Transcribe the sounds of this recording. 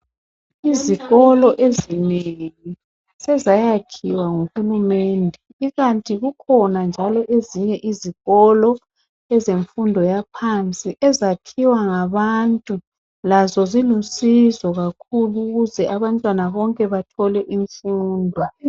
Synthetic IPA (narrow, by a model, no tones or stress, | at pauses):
iziɣɔlɔʔezineŋi | sɛzajakʰiwaŋuxulumɛndʱɛ | iɣantʼiɣukʰɔnand͡ʒʱalɔʔeziɲɛʔiziɣɔlɔ | ɛzeɱfundʱɔjapʰant͡sʼiʔɛzakʰiwaŋaβantʼu | lazɔzilusizɔɣakʰuluɣuzɛʔaβantʼwanaβɔŋkʼɛβatʰɔlɛʔiɱfuːndʱɔ